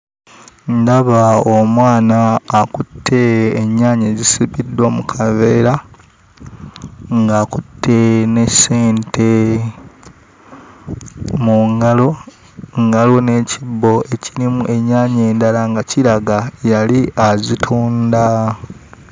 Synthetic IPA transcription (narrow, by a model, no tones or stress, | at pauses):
ndaβaomwaːnaːkutʰːe̞ːɲːaːɲe̞zisiβidwamukʰave̞ːɾa | ŋɡaːkutʰːene̞se̞ːntʰe̞ | muŋɡalo̞ | ŋɡalwone̞ːcibːo̞eciɾimuʔe̞ɲːaːɲe̞ːndalaŋɡaciɾaɡajaliʔazitʰuːnda